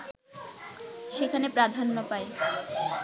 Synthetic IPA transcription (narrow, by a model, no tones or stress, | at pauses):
ʃekʰanepɾad̪ʱanːopae